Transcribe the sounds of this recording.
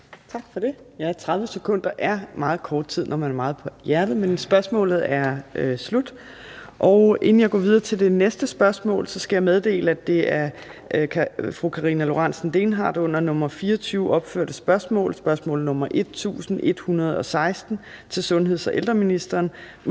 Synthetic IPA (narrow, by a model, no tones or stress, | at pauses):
t͡sʰɑ̈ɡ̥fɒd̥e̝jɑæɐt͡sʰʁɑ̈ðˠʋəsekʰɔ̽n̰d̥ɐʔæɐmɑ̈ːð̞̩ˠkʰɒːd̥̚t͡sʰið̰ˠnʔɒmænæɐmɑ̈ːð̞̩ˠpʰɒ̽jæɐdð̩ˠmensb̥ɶɐsmɔ̰̽ːlð̩ˠæɐslud̥ | ʔɒʊe̝n̩jɑ̈ɪɡɒ̰ːʋið̞ˠɐːt͡sʰe̝ld̥e̝nesd̥əsb̥ɶɐsmɔ̰̽ːlsɒ̽sɡ̥æjɑ̈með̞ˠd̥e̝̰ːləæd̥e̝æɐkʰfʁukʰɑ̈ʁinælo̝ʁɑn̰sn̩d̥e̝ːnɦɑ̰̈ːd̥ɔ̽n̰ɐnɔ̽mɐfiːɐɒt͡sʰyːʊʔɒ̽b̥fø̰ɐ̰d̥əsb̥ɶɐsmɔ̰̽ːlsb̥ɶɐsmɔ̰ːl̩ˠnɔ̽mɐʔe̝d̥̚t͡sʰṵːsn̩e̝d̥hunɐð̞ˠɒ̽sɑ̈ɪsd̥n̩ | t͡sʰe̝lsɔ̽nɦe̝ð̞̰ˠsɒʔeld̥ʁɐminisd̥ɐːn